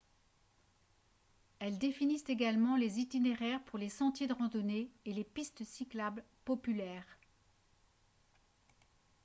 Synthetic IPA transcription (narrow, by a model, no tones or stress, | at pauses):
ɛld̪efinist̪eɡalmɑ̃lezit̪ineʁɛʁpuʁlesɑ̃t̪jed̪əʁɑ̃d̪ɔneelepist̪siklabl | pɔpylɛːʁ